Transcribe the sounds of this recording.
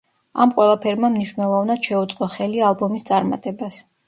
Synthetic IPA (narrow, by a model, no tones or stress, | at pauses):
a̰mqʼwɛlˠapʰɛɾmamniʃvnɛlˠɔvnad̪̥ʃɛut̪sʼqʼɔχɛlialˠbɔmist̪sʼaɾma̰t̪ʼɛbas